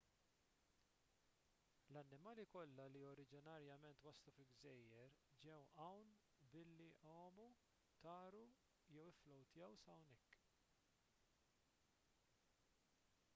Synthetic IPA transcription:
lɐnːɪmɐːlikɔlːɐliɔɾɪd͡ʒɪnɐɾjɐmɛnt̪wɐslufɪlɡzɛjːɛɾd͡ʒɛwʔɐwn | bɪlːiʔɔːmu | t̪ɐːɾu | jɛwɪflɔwt̪jɛwsɐwnɛkː

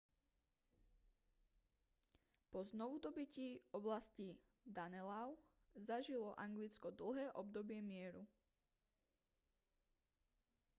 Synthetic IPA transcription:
pɔznɔʋud̪ɔbiciːɔblasci | d̪anɛlaʊ | zaʒilɔʔaŋɡlit͡skɔd̪l̩ˠɦɛːʔɔb̚d̪ɔbɪɛmɪɛɾu

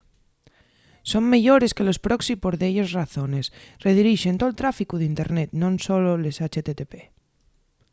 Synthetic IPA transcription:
so̞ŋme̞ʎo̞ɾe̞skelospɾoksipoɾðeʎosraθo̞ne̞sre̞ðiɾiʃe̞nt̪olt̪ɾafikuðint̪eɾnet̪nõnso̞lolesat͡ʃet̪et̪epe

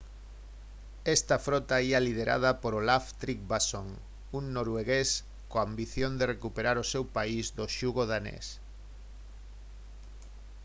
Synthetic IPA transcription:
est̪ɐfɾot̪aialið̞eɾʔa̰ð̞ɐpoɾolaft̪ɾik̚basoŋ | uŋnoɾweɣes | koambiθjond̪erekupeɾaɾosewpaizðoʃuɣoðanḛs

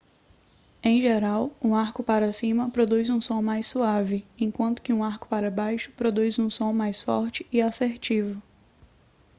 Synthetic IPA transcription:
ẽj̃ʒeɾawũaɾkʊpaɾɐsĩmɐpɾod̪ujzũsõmajsuavɪẽj̃kwɐ̃nt̪ʊ̥kɪũaɾkʊ̥paɾɐbajʃʊ̥pɾod̪ujzũsõmajsfɔ̰ɾt͡ʃɪ̥ɪaseɾt͡ʃivʊ

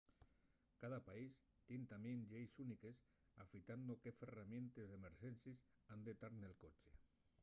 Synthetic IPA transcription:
kaðapais | t̪int̪amenʎejsunikes | afit̪and̪okeferament̪ezðemeɾʒɛnsis | and̪et̪aɾnelˠkot͡ʃe̥

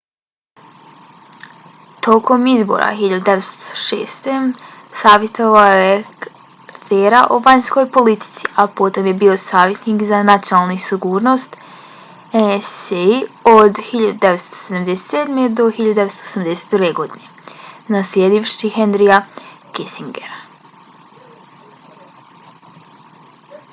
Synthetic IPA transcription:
t̪o̞ko̞mizbo̰ɾa̰xiʎad̪ud̪eʋet̪st̪o̥ʃḛːst̪e̞saːʋjet̪oʋaojek | ɾt̪ʰeːɾaʔoʋaɲsko̞jpo̞lit̪i̥t̪si̥ʔapo̞t̪o̞mje̞biːo̞saːʋje̞t̪niːkzanat̪sjonaːlˠnisiɡuːɾno̞st̪ | enseiod̪hiʎad̪ud̪eʋet̪st̪o̥sed̪amd̪eset̪seːd̪me̞d̪o̞xiʎad̪ud̪eetst̪oosamd̪eset̪̚pəɾʋeɡo̞d̪ine̞ | naslje̞d̪iʋʃihend̪ɾiakisiŋɡḛɾ

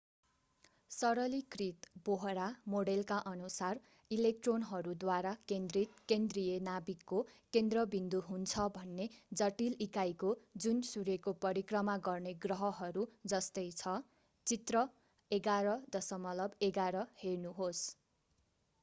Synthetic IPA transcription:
sʌɾʌlikrit̪boɦɾamoɽelkaʔʌnusar | ilek̚ʈronɦʌɾud̪waɾakend̪rit̪̚kend̪rijenabikːokend̪rʌbind̪uɦunt͡sʰʌbʱʌnːed͡zʌʈilikajkod͡zunsuɾekopʌɾikrʌmaɡʌrneɡrʌɦʌɦʌɾud͡zʌst̪ʌjt͡sʰʌ | t͡sit̪rʌ | eɡaɾʌd̪ʌsʌmʌlʌbeɡaɾʌhernuɦos

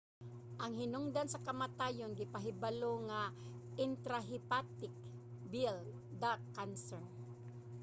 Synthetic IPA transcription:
ʔɐŋhɪnʊŋd̪ansɐkɐmat̪aːjonɡɪpaɦɪbaloŋaʔɪnt̪ɾaɦɪpat̪ɪk̚ | bɪl | d̪akːansɛn

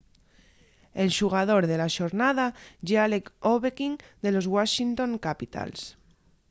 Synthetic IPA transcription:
elʃuɣ̞að̞o̞ɾðelaʃoɾnað̞aʝealekoβekiŋd̪e̞lo̞zɣwaʃint̪õ̞ŋkapit̪a̰ls

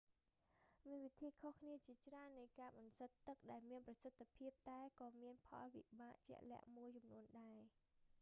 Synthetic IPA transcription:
miənʋit̪ʰiːkʰohkʰniət͡ɕiət͡ɕraənːɨjkaːɓɑnsət̪ːɨk̚ɗaɛlmiənprɑsət̪ʰːapʰiəp̚t̪aɛkɑːmiənpʰɑ̰lʋḭɓaːʔt͡ɕɛ̆əʔlɛ̆əʔmuəjt͡ɕumnuənɗaɛ

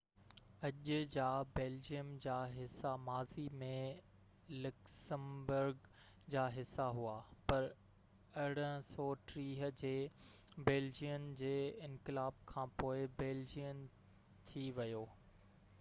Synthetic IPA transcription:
ɐʄʊd͡ʑaːbeːld͡ʑijəmd͡ʑaːɦɪsːamaːzimẽ | lʊksəmbʊɾɡ | d͡ʑaːɦɪsːaɦuaːpɐɾ | ɐɽ̤əsɔːʈɾiːɦə̆d͡ʑeːbeːld͡ʑijənd͡ʑeːɪ̃nkɪlaːb̚kʰãːpoːɪbɛːld͡ʑijən | t̪ʰiʋɐjoː

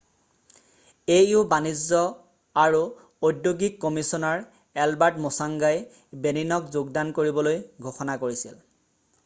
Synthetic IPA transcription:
ejubanizɔ | aɹu | odjoɡikːɔmisɔnaɹ | ɛlbaɹtmosaŋɡaj | beninɔkzoɡdankoɹibɔlojɡʱoxɔnakoɹisḭl

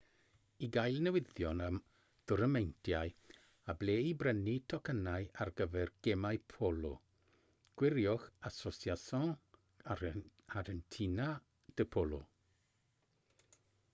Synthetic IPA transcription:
iɡajlˠnəwɪðjɔnəm | d̥ʊɾəmɛjntʰjaj | ableːibrənitʰɔkʰənajarɡəvɛrɡ̥ɛmajpʰolɔ̰ | ɡ̥wɪɾjɔxasɔsjasɔ | aɾəntʰina | d̥əpʰɔlˠɔ̰

